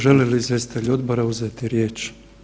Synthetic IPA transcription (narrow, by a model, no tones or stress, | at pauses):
ʒeleliːzʋe̞st̪it̪eʎo̞d̪bo̞ɾauzet̪iɾje̞ːt͡ʃ